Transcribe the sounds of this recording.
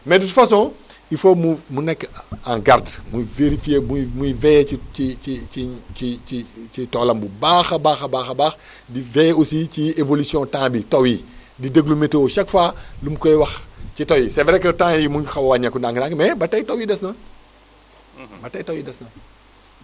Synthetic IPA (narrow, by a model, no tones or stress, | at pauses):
mɛdutfɐsɔ̃ː | ifomumunɛkːãɡaɾdmuveɾifijemumujvɛiiiiiit͡ʃitɔːlɐmbubaːxɐbaːxɐbaːxɐbaːx | divɛusit͡ʃievolisjɔ̃tãːbitowi | dideɡlumeteʃɐkfalumkɔjwɐxt͡ʃitowjisɛvɛɾɛkːɐtãːjimuxɐwɐwaɲɐkːundãŋɡnãːŋkmɛbɐtɐjtowidɐsnɐ | bɐtɐjtowidɐsnɐ